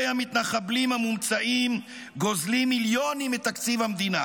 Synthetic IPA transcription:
ejamit̪naχablimhamumt͡saʔim | ɡo̞zlimiljo̞nimet̪akt͡sivhamd̪ina

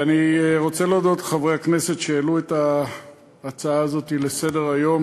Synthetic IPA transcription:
aniʁo̞t͡seleod̪o̞t̪χavʁehakne̞se̞tʃealuetaː | t͡saaːzo̞t̪ilese̞de̞ʁajo̞m

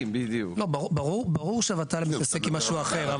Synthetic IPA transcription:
mbid̪uklobaʁubaʁuʁbaʁuʁʃavat̪alemit̪asekimaʃuaχeʁa

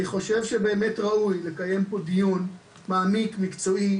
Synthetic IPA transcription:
niχo̞ʃe̞vʃebe̞ːmetʁaʔujle̞kaje̞mpo̞dijun | maːmikmikt͡so̞ʔi

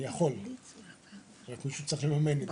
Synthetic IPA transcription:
jaχo̞l | ʁakmiʃut͡sʁiχlemame̞net

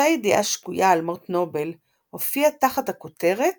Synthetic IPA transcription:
ajediʔa̰ʃkujaːlmoʁt̪no̞bel | ho̞fiataχathakote̞ʁe̞t̚

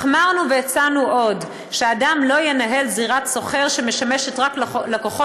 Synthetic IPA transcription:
χmaʁnuvejat͡sanuʔo̞d | ʃeadamlo̞jenaɦe̞lziʁat̪so̞χe̞ʁʃeme̞ʃame̞ʃetʁaklekoχo

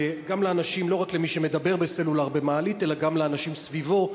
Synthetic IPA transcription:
ɡamleanaʃimlo̞ʁaklemiʃe̞med̪abe̞ʁbeselulaʁbemaːlite̞laɡamleanaʃimsvivo̞

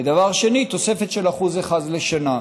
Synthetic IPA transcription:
ed̪avaʁʃe̞nit̪o̞se̞fe̞t̪ʃelaχuzeχadleʃana

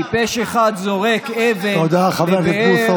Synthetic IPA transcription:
ipeʃeχad̪zoʁekeveod̪aχaveveuso

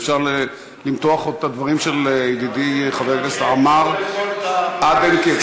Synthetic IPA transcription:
fʃaʁle | limt̪oaχot̪ad̪vaʁimʃeld̪id̪iχaveʁlesaamaʁ | abenki

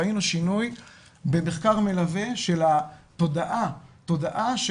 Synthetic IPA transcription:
ainuʃinuj | be̞me̞χkaʁme̞laveʃe̞lat̪o̞daʔat̪o̞daʔaʃ

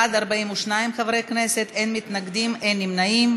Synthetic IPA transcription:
ad̪aʁbaimuʃnaimχavʁejkneset̪enmit̪naɡd̪imenːimnaim

